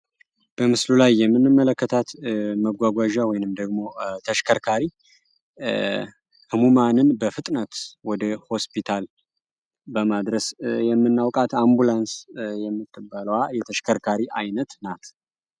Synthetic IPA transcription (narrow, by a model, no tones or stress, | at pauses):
b̥əmɨslulajːɛmːɨnːɨmːələkːət̪ʰat̪məɡʷaɡʷaʒawɔjnɨmd̪əɡmo̞t̪ʰəʃkʰəɾkʰaɾi | hɨmumanɨnbəfɨt̪ʼnət̪wɔd̪əho̞spʰit̪ʰal | bəmad̪ɾəsjɛmːɨnːawkʼat̪ambulansjɛmːɨt̪ːɨbələwajɛt̪ʰəʃkʰəɾkʰaɾiʔajnət̪nat̪ʰ